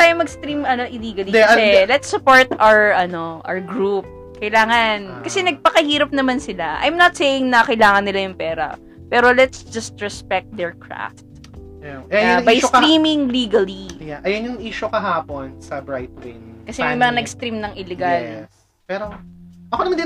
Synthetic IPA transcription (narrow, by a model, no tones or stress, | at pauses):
t̪aːjomɐɡst̪ɾimɐnoʔɪliːɡɐliɛɛlɛt̪sːʊpoɹt̪awɹʔɐno̞ʔa̰ɡɾup̚ | kɐjlaːŋɐnkɐsɛnɐɡ̚pɐkɐhiːɾɐp̚nɐmansɪlaʔɐ̰jmnɐt̪sejɪŋnɐkɐjlaːŋɐnːɪlajʊŋpɛːɾɐ̰ | pɛːɾo̞lɛt̪sd͡ʒɐst̪̚ɹɛspɛk̚t̪̚d̪ɛɹkɹa̰ft̪̚ | aɛɐbɐjst̪ɾiːmɪŋliːɡɐlijaʔɐjonjʊŋʔiːʃʊkɐɦaːponsɐbɹajt̪̚lɪ̰nkɐsɛmɐjmɐŋanɐɡst̪ɾimnɐŋʔɪlɛɡalɛ | pɛːɾoʔɐkonɐmand̪ɪ